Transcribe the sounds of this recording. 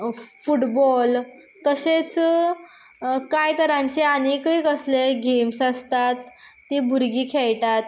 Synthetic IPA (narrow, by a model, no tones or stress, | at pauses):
fuʈbɔl | kəɕet͡s | kajt̪əɾãɲt͡ɕeanekəjkəsleɡemsəst̪at̪ː | ibʱuɾɡiːkʰɛɭʈat̪